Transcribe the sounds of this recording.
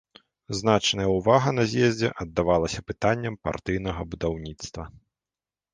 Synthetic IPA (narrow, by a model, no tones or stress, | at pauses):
znat͡ʂnɐjɐuvaɣɐnɐzʲjɛzʲd͡zʲɛ̰ʔɐd̪ːavalˠɐsʲɐpɨt̪anʲːɐmpa̰rt̪ɨjnɐɣɐbud̪awnʲit̪st̪vɐ